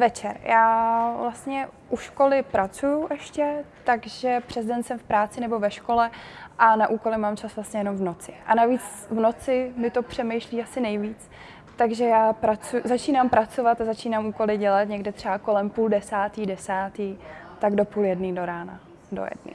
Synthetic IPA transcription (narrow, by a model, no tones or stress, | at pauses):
vɛt͡ʃɛɾjʔaːvlast̪ɲɛʔuʃko̞lɪpɾat͡sujuʔɛʃcɛt̪aɡʒɛpr̝̥ɛzdɛnsɛmfpɾaːt͡sɪnɛbovɛʃko̞lɛʔanaʔuːko̞lɪmaːmt͡ʃasvlast̪ɲɛjɛnomvno̞t͡sɪ̥ʔanaviːt͡s | vno̞t͡sɪmɪt̪o̞pr̝̥ɛmɛjʃliːasɪnɛjviːt͡s | t̪aɡʒɛjaːpɾat͡sujzat͡ʃiːnampɾat͡so̞vat̪azat͡ʃiːnamʔuːko̞lɪɟɛlat̪ɲɛɡdɛt̪r̝̥ɛbako̞lɛmpuːldɛsaːt̪iːdɛsaːt̪iː | t̪aɡdo̞puːljɛdniːdo̞ɾaːna̰ | do̰jɛ̰dnɪ̰